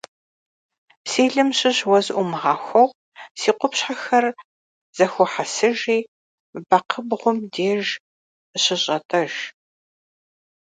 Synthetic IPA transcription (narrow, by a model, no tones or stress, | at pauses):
siːɮɨmɕɪɕwɐzʔʷʊmʁaːxʷɔʁ | siːqʷʊpɕħaxɐr | z̥ɐxʷɔħasɨʒiː | bɐqʰəbʁʷʊmdeːʒ | ɕɪɕʼɐtʼʰɐʒ